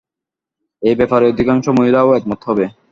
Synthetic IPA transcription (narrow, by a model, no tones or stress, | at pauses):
ejbepʰaɾeod̪ʱikaŋʃomoɦilaoɛk̚mɔt̪ʰːɔbe